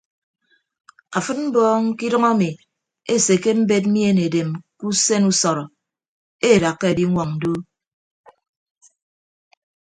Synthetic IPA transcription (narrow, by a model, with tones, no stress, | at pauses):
a˨fɨ˦t̚m̩˦bɔː˦ŋ˦ki˦dɔ˦ŋa˦mi˨ | e˦se˨ke˦m̩˦be˦t̬̚m̩˦i˦e˦ne˨de˨mku˦se˦nu˦sɔ˨ɾɔ˨ | e˦˨da˨kːe˦e˨di˦ŋʷɔ˨ŋn̩˨du˦